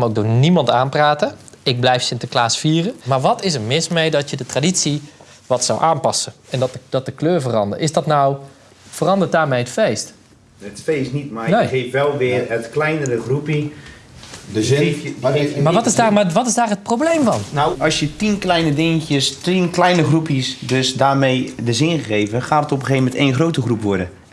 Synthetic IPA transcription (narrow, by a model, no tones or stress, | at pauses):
mowkdoːnimɑntaːmpraːtə | ɪk̚blɛjfsɪntəklaːsfiːərəmaɹʋɔtɪsəmɪsmɛjdɔtjədətradisi | ʋɔtsawʔaːnpɑsəɛndd̥ɔt̚dəkløːɹvərɑ̰ndə̰rʔɪsdɔtnaw | fərɑndət̚daːɹmɛjətfejst | ətsfeːsnitmaneːxeːfʋɛlˠʋɪərətklɛjnəɾəxrupi | maːʋtɪzdamaʋɔtɪzdaːrɦət̚prowblejmvɑnnawɑlˠsjətinklɛjnədɪŋətjəstinklɛjnəχrupisdøsdaːɹmejdəzɪnχəɣejvəχaːdətɔpɣeːvəmɛntejnχrowtəχrupʋɔɹdə